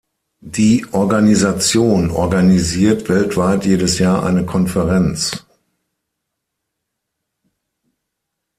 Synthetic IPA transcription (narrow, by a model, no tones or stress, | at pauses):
d̥iːʔɔɐɡanizat͡sjoːnɔ̰ɐɡaniziːɐtv̥ɛltv̥aɪtjeːdəsjaːɐʔa̰ɪnəkʰɔnfəʁɛnt͡s